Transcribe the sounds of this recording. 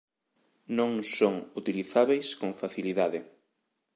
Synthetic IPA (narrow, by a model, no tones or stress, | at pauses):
nõŋsoŋut̪iliθaβejskoŋfaθiliðaðɪ